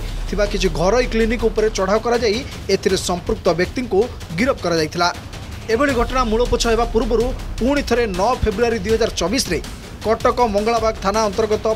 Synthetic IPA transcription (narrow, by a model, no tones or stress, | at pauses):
t̪ʰibakit͡ʃʰiɡʱɔɾɔjklinikupɔɾet͡ʃɔɽ̤aɔkɔɾad͡ʒaj | et̪ʰiɾesɔmpɾuk̚t̪ɔbjɔk̚t̪iŋku | ɡiɾɔpɔkɔɾad͡ʒajt̪ʰila | ebɔɭiɡʱɔʈɔɽ̃amuɭɔpɔt͡ʃʰɔɦebapuɾbɔɾupuɽ̃it̪ʰɔɾenɔpʰebɾuaɾid̪ujɦɔd͡ʒaɾɔt͡ʃɔbisɾe | kɔʈɔkɔmɔŋɡɔɭabaɡt̪ʰanaɔnt̪ɔɾɡɔt̪ɔ